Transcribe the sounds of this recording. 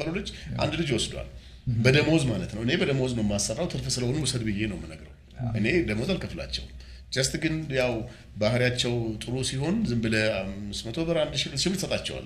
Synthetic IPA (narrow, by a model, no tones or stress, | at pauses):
əlolɨd͡ʒːʔa̰nd̪lɨd͡ʒwɔsd̪wa̰l | bəd̪əməwɔzmalət̪nəwʔɨne̞bəd̪əməwɔznəwmːasːərːawt̪ʰɨɾfɨsɨləhonuwɔsəd̪bɨjːe̞nəwmːɨnəɡɾə̰w | ʔɨne̞d̪əməwzalkʰəfla̰t͡ʃːɛ̰w | d͡ʒəst̪ɡɨnjaw | bahɾjat͡ʃːɛwt̪ʼɨɾusiɦo̞nzɨmbɨləamːɨst̪mət̪ʰo̞bəɾand̪ʃɪʃɪbɾt̪ɨsət̪ʼat͡ʃːɛwa̰l